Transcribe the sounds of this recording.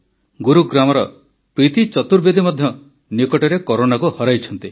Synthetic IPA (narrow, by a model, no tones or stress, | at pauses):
ɡuɾuɡɾamɔɾɔ | pɾit̪it͡ʃɔt̪uɾbed̪ʱimɔd̪ʱjɔ | nikɔʈɔɾekɔɾonakuhɔɾajt͡ʃʰɔnt̪i